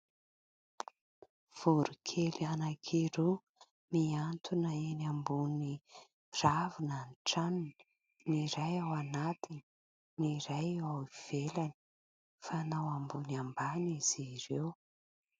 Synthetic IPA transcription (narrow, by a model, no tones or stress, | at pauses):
v̥uɾukʰelianakʰiɾu | miant̪ʰunəenambuni | ravinanʈ͡ʂanini̥ | niɾajawanat̪ini | niɾajawiv̥elani̥ | fanawambunambaniz̥iɾew